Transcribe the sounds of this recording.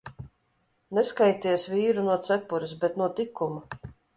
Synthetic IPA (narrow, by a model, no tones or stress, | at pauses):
neskajt̪ʲiɛsvʲiːɾunuɔt̪sɛpuɾɪs̬bɛt̪nuɔt̪ikumu